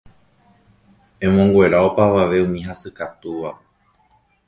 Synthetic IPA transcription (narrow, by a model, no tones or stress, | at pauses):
ẽ̞mõŋɡwʷe̞ɾaopaʋaʋe̞ũmĩɦasɨkat̪uʋa